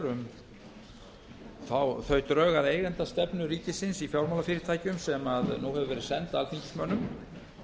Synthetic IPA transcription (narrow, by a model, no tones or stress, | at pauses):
ɾʏm | θawθœɥt̪ɾœːɣaɾeːjɣɛnt̪ast̪ɛpn̪ʏɾiːcɪsɪnsifjawɾmawlafɪːɾɪ̥t̪ʰaːjcʏmsɛmaðnuhɛvʏvɛːɾɪ̥sɛnt̪alt̪niɲcɪ̥smœːnʏm